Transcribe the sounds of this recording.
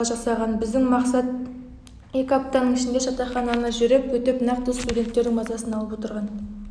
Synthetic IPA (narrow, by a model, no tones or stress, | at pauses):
ʒɑsɑʁɑnbɪzd̪ɪŋmɑqsɑt̪̚ | e̞kʲɪɑp̚t̪ɑnəɴɪʃɪnd̪e̞ʒɑt̪ɑχɑnɑnəʒʏɾe̞pwɵt̪e̞pnɑqt̪ːəst̪udʲe̞nt̪ːeɾd̪ɪŋmɑzɑsənɑlˠəpwot̪əɾʁɑn